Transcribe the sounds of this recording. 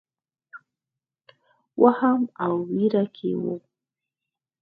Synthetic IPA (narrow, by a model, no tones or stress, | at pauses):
wʔahamawwiɾakʰḛwo̰